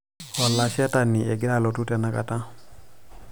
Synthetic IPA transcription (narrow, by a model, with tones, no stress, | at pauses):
wa˨lːa˨si˦a˦ta˨nie˨ɡi˦ɾa˦lo˨tu˦tɛ˨na˨ka̰˨tã˦